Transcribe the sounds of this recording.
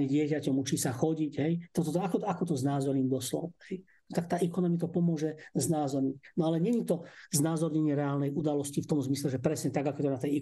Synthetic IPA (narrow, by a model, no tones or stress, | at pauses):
ɛɟɪɛcacɔmut͡ʃiːsaxɔɟicɦɛjt̪ɔt̪ɔt̪akɔakɔt̪ɔznaːzɔɾɲiːmd̪ɔslɔ̰whɛj | nɔt̪ak̚t̪aːʔɛkɔnɔmit̪ɔpɔmʊɔʒɛznaːzɔɾɲinɔalɛɲɛɲit̪ɔznaːzɔɾɲɛɲɪɛɾɛaːlnɛjud̪alɔscift̪ɔmzmislɛʒɛpɾɛsɲɛt̪aɡakɔɛt̪ɔnat̪ɛjɛ